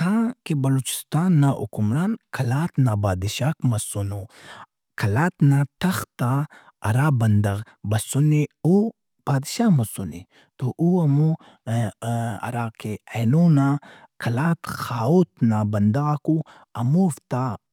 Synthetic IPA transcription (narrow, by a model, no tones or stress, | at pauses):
t̪ãːkebɐloːt͡ʃi̥st̪aːnːaʔṵkumɾaːnkʰɐlaːt̪naːbaːd̪iʃaːkmɐsuno | kʰɐlaːt̪nãʈʰɐxt̪a | ɐ̰ɾaːbɐnd̪ɐɣ | bɐsuneu | b̥aːd̪ʃaːmɐsunḛ | t̪oʔuɐmu | ɐ̰ɾaːkeenoːnã | kʰɐlaːt̪xaːot̪nabɐnd̪ɐɣku | ɐmuːft̪a